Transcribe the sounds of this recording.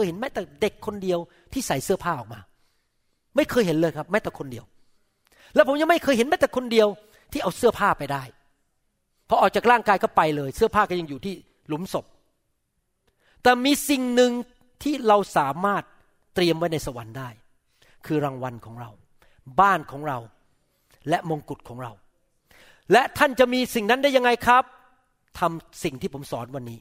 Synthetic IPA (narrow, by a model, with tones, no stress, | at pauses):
kʰːjhe˨˦nmɛː˦˥t̪ːɛː˨˩de˨˩kʰːo˧ndi˧əw | t̪ʰiː˥˩sa˨˩˦jsɯ˥˩ɐpʰaː˥˩ʔɔː˨˩k̚maː˧ | ma˥˩jkʰɤː˧jɦe˨˩˦nlɤː˧jkʰp̚mɛː˦˥t̪ːɛː˨˧˩kʰo˧ndi˧əw | lɛ˦˥pʰo˨˦mja˧ma˥˩jkʰɤː˧jɦe˨˦nmɛː˦˥t̪ɛ˨˩kʰo˧ndi˧əw | t̪ʰiː˥˩ʔa˧wsɯ˥˩ɐpʰaː˥˩pa˧jdaː˥˩j | pʰɔ˧ʔɔː˨˩k̚t͡ɕaː˨˩kɾaː˥˩ŋkaː˧jkɔ˥˩pa˧jlɤː˧jsɯ˥˩ɐpʰaː˥˩kɔː˥˩ja˧ŋjuː˨˩t̪ʰiː˥˩ | lu˨˩˦mso˨˩p̚ | t̪ɛː˨˩miː˧si˨˩ŋnɯ˧ŋ | t̪ʰiː˥˩ɾa˧wsaː˩˦maː˥˩t̪ː | ɾi˧əmwa˦˥jna˧jsa˧wa˩˦ndaː˥˩j | kʰɯː˧ɾaː˧ŋwa˧nkʰɔː˩˦ŋɾa˧w | baː˥˩nkʰɔː˩˦ŋɾa˧w | lɛ˦˥mo˧ŋku˨˩t̪̚kʰɔː˩˦ŋɾa˧w | lɛ˦˥t̪ʰa˥˩nt͡ɕa˨˩ʔmiː˧si˨˩ŋna˦˥nda˥˩ja˧ŋa˧jkʰɾa˦˥p̚ | t̪ʰa˧msi˨˩ŋt̪ʰiː˥˩pʰo˩˦msɔː˩˦nwa˧nːiː˦˥